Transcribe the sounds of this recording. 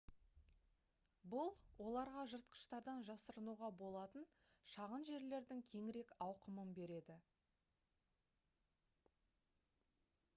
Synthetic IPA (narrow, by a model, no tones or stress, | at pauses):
bʊlˠwo̞lˠɑɾʁɑʒəɾt̪̚qə̥ʃt̪ɑɾd̪ɑnʒɑsəɾənuʁɑbo̞lˠɑt̪ən | ʃɑʁənʒe̞ɾle̞ɾd̪ɪŋkʲʰe̞ŋɪɾe̞kɑwqəmənbe̞ɾe̞d̪ɪ